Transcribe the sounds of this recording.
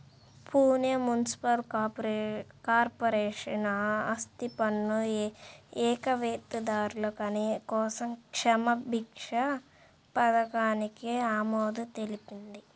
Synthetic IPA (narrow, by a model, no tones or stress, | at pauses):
pʰuːnjɐmunisi̥pɐl | kaːɾpɐɾɛːʂɐnɐɐst̪ipɐnːu | ɛːkɐʋeːt̪ːid̪aːɾulɐkɐnekɔːsɐmkʂɐmɐbʱikʂɐ | pɐd̪ɐkaːnikiaːmoːd̪ut̪e̞lipind̪i